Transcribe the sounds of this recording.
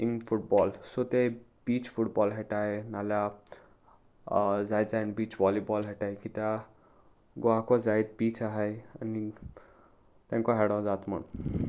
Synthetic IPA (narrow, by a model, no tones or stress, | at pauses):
iŋpʰuʈbɔlsot̪ej | b̥it͡ʃpʰuʈbɔlɦeʈaenala | zajd̪zajnbit͡ʃʰʋɔlibɔlɦeʈajkit̪a | ɡoakozajd̪̚bit͡ʃʰaɦəjɐ̰ni | t̪ãŋkoɦɛɽõd͡zat̪mɐ̰n